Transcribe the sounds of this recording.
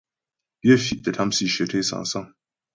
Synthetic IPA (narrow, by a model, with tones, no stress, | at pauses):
bje˦fi˦ʔdɐ˨tʰa˦msi˨ʃe˨tʰe˦sa̰˨n˨sa˦ŋ